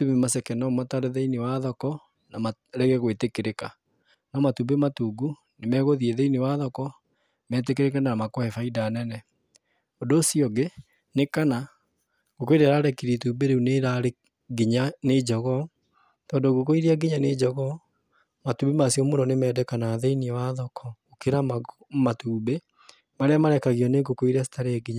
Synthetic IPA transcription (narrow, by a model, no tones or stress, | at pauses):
tumemasɛkɛnɔmataɾeðɛinewaðɔkɔ | nama | ɾɛɣɛɣwetekeɾeka | nɔmatubematuɡu | nemɛɣoðieðeinewaðɔkɔ | mɛːt̬ekeɾekananamakɔɛfaidanɛnɛ | odoːsiɔɡe | nekana | ɡ̥okoiɾɛaɾaɾɛkiɾituːbeɾeuneɾaɾe | ɡiɲaned͡ʒɔɣɔ | tɔːndoɡokoiɾiaɡiɲaned͡ʒɔɣɔ | matubemasiɔmonɔnemɛːdɛkanaːðeiniwaðɔkʰɔokeɾama | matuːbe | maɾeamaɾɛkaɣjɔneɡokoiɾasi̥taɾeɛɡiɲa